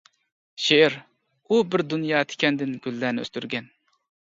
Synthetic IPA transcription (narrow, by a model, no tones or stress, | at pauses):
ʃeɪɾ | ubɪɾd̪unjɑːt̪ʰe̥kʲʰɛnd̪ɪnɡʲylːæːnɪø̰st̪yɾɡʲɛn